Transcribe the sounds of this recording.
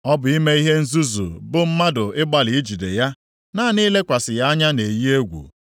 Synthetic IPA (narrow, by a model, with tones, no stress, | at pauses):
ɔ˦bʊ˨i˦me˦i˦ɦe˦n̩˦zu˦zṵ˨bʊ˦m̩˦ma˦dʊ˨ɪ˦ɡ͡ba˨lɪ˨i˦d͡ʒi˨dḛ˨ja˦ | naː˦ni˦le˦kʷa˨sɪ˨ja˦ɲa˦ne˨ji˦e˦ɡʷṵ˨